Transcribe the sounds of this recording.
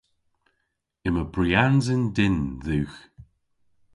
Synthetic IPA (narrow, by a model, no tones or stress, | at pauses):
ɪməbɹianzəndɪnðʉːx